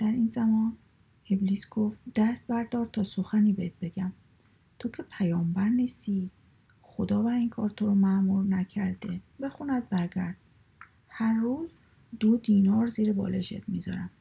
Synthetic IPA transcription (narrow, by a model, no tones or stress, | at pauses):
d̪̥æɾiːnzæmɒːn | ebliːsɡ̥oft̪d̪̥æst̪̚bæɾd̪ɒːɾt̪ʰɒːsoxæniːbeet̪̚be̞ɡæm | t̪ʰo̞cʰe̞pʰæjɒːmbæɾniːst̪iː | xo̞d̪ɒːvæɾiːŋkʰɒːɾt̪ʰoɾomæmuːɾnæcʰæɾd̪e̞be̞xunæd̪̚bæɾɡæɾd̪̥̚ | hæɾːuːz | d̪̥od̪iːnɒːɾziːɾebɒ̰ːleʃḛt̪mizɒ̰ːɾæm